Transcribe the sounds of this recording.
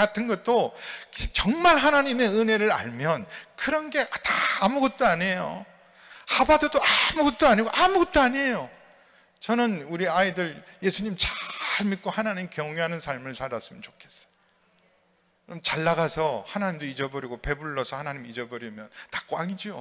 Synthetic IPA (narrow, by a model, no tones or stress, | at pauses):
atʰɯnɡʌt̚t͈o | t͡ɕʌŋmaɭɦanaɲime̞ɯne̞ɾɯɾa̰ɭmjʌnkɯɾʌnɡe̞ʔataːmuɡʌt̚t͈oaɲe̞jo̰ | habadodoamuɡʌt̚t͈oaɲiɡoʔamuɡʌt̚t͈oaɲejo | t͡ɕʌnɯnuɾiaidɯɭje̞sʰuɲimt͡ɕaɭmit̚k͈ohanaɲimkjʌŋeɦanɯnsʰaɭmɯɭsʰaɾas͈ɯmjʌnt͡ɕokʰe̞̥s͈ʌ̥ | ɾʌmt͡ɕaɭːaɡasʰʌhanaɲimdoid͡ʑʌbʌɾiɡope̞buɭːʌsʰʌhanaɲimid͡ʑʌbʌɾimjʌntḁk͈oaŋid͡ʑo